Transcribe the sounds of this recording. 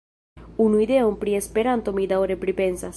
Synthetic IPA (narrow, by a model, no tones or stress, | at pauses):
unuiðeompɾiespeɾant̪omid̪aoɾepɾipensa